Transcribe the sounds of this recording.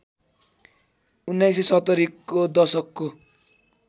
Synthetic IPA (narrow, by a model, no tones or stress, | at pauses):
unːajs̬esʌt̪ːʌɾikːod̪ʌsʌkːo